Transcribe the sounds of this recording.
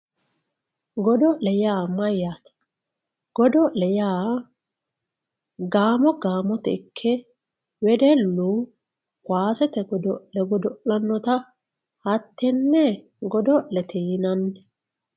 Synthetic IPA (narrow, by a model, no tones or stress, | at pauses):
ɡɔd̪ɔlɛjaːmɐjːaːt̪ɐ̥ | ɡ̥ɔd̪ɔlɛjaː | ɡaːmɔɡaːmɔt̪ɛɪkʰːɛ | wɛd̪ɛlːu | kwaːsɛt̪ɛɡɔd̪ɔlɛɡɔd̪ɔʔɐnːɔt̪ɐ | hɐt̪ːɛnːɛ | ɡɔd̪ɔlɛt̪ʰɛjɪnɐnː